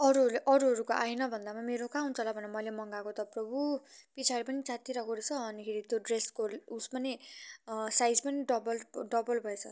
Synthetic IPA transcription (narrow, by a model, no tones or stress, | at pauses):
ʌɾuɦʌʔʌɾuɦʌɾukoʔainʌbʱʌnd̪amameɾokaũnt͡sʰʌlabʱʌnemʌjlemʌŋɡakot̪ʌprʌbupit͡sʰaɾepʌnit͡sat̪iɾʌɡoɾt͡sʰʌʌnikʰeɾit̪joɖreskoluspʌni | sajd͡zpʌniɖʌbʌlɖʌbʌlbʱʌet͡sʰʌ